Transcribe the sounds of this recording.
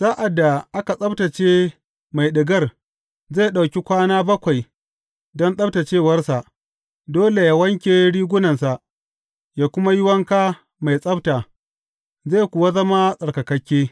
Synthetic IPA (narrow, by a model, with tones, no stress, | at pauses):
z̥aː˦ʔa˨da˨ʔa˦ka˨sʼɐ˦bta˨t͡ʃeː˦ | ma˨jɗɪ˨ɡɐ˦r | zaː˦˨ɗa˨wkʲi˦kʷaː˦naː˦bɐ˦kʷa˨j | dɔ˦nsʼɐ˦bta˨t͡ʃeː˦˨wɐ˦rsa˨ʔ | doː˦le˨jaː˦wɐ˦ŋkʲeː˨ɽiː˦ɡʷʊ˦nɐ˨nsa˨ʔ | jaː˨kʷʊ˦ma˦jʊ˦wɐ˦ŋkaː˦ | ma˨jsʼɐ˦bta˨ | zaː˦˨jkʷʊ˨wa˦zɐ˦ma˦sʼɐ˨rkɐ˨kɐ˦kʲːeː˦